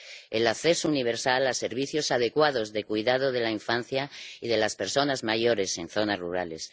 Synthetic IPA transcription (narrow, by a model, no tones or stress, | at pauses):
elakθe̞souniβ̞e̞ɾsalase̞ɾβ̞iθjo̞sað̞e̞kwað̞o̞zðe̞kujðað̞oðe̞laiɱfanθjaiðe̞laspe̞ɾso̞nazmajo̞ɾe̞se̞nθo̞nazruɾale̞s